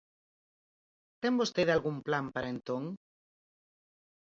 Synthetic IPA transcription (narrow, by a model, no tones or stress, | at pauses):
t̪eŋbost̪eðalɣumplampaɾaent̪oŋ